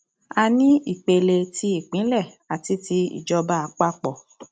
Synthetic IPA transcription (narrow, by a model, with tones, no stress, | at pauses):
a˧nĩ˦i˦˨k͡pe˧le˧ti˧˦i˦˨k͡pĩ˨˦lɛ˦˨ | a˨ti˧˦ti˧ḭ˨d͡ʒɔ˧ba˦a˨˧˦k͡pa˦k͡pɔ˨